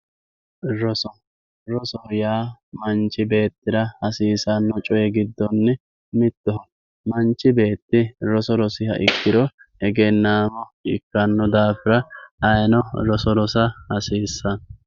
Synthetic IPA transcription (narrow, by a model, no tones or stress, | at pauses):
ɾɔsɔ | ɾɔsɔjaːmɐnt͡ʃːɪbe̞ːt̪ːɪɾɐhɐsiːsɐnːɔt͡ʃʼɔjɛɡɪd̪ːɔnːɛ | mɪt̪ːɔɦɔ | mɐnt͡ʃːɪbe̞ːt̪ːɪɾɔsɔɾɔsɪhɐ̰ʔɪkːɪɾɔɛɡɛnːaːmɔɪkːɐnːɔd̪aːfɪɾɐɐjnɔɾɔsɔɾɔsɐhɐsiːsːɐn